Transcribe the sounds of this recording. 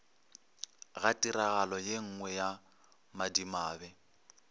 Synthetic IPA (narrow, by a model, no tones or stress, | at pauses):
ɣatʼiɾaɣalɔjeŋ̩ŋwɛja | madimaːbɛ